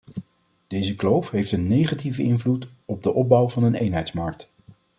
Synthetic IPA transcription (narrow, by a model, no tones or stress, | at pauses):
d̥ejzəklowfɦejftənːejχativəɪnvlut | ɔb̚dəʔɔb̚bʌwvɑnənejnɦɛjtsmɑɹk̚t